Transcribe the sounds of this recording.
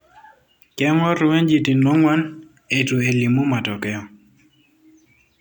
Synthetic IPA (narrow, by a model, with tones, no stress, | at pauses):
kɛ˦ŋɔ˦ɾwe˦nd͡ʒi˨ti˨no˦ŋwa˦n | e˨tu˨e˨li˨mu˦ma˨tɔ˨kɛ˦ɔ˦